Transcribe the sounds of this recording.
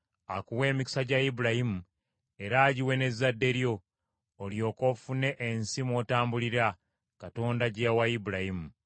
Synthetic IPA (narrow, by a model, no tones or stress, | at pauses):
akuwe̞ːmiki̥saɟaibuɾahimu | e̞ɾaːɟiwe̞ne̞zːadːe̞ɾjo̞ː | ljo̞ːko̞fune̞ʔːnsimwo̞taːmbuliɾa | kato̞ːndaɟewaibuɾahimu